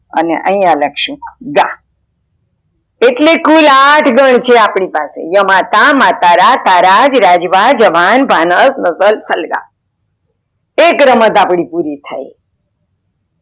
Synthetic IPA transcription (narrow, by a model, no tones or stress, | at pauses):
ə̰nḛʔə̃ĩjãləkʃũɡa | eʈlekulaʈʰɡəɳ̃t͡ʃʰeapɳipasḛjəmat̪amat̪aɾat̪aɾad͡ʒɾad͡ʒʋad͡ʒəʋanbʱanəsnəsəlsəlɡa̰ | ekɾəmət̪apɽ̃ipuɾit̪ʰa̰j